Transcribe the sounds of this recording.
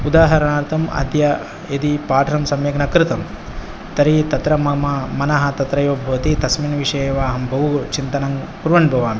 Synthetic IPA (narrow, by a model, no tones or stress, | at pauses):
ud̪aːɦɐɾɐnaːɾt̪ʰɐmɐ̰d̪jɐ | ed̪ipaːʈʰɐɾɐmsɐmjɐknɐkɾɪt̪ɐm | t̪ɐɾit̪ɐt̪ɾɐmɐmɐmɐnɐɦɐ̆t̪ɐt̪ɾɐjoːbʱɐʋɐt̪it̪ɐsminʋiʂɐjeːʋaːɦɐmbʱɐʋut͡ʃint̪ɐnɐŋpuɾʋɐnbʱɐʋaːmi